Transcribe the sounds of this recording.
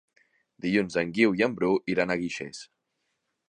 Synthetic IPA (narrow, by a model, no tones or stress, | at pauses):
d̪iʎunzəŋɡiwiəmbɾuʔiɾanəɣiʃḛs